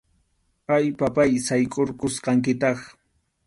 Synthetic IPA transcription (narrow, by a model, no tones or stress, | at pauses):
ajpapajsajkʼoɾkʊsqɑŋkɪt̪ɑχ